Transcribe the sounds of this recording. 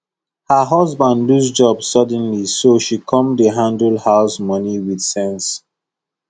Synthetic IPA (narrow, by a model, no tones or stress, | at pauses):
həɦʌɔzbãndlusd͡ʒɔbssʌd̃nlisoʃikʰɔ̃mdəɦãndəlhaʊsmɔniwid̥sɛ̃ns